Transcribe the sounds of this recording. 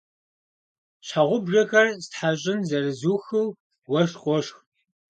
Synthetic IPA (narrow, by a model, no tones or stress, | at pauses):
ɕħaʁʷʊbʒɐxɐrsɨtħaɕʼɪnzɐrɨzuːxɨw | wɐʂqʼʷɔʂx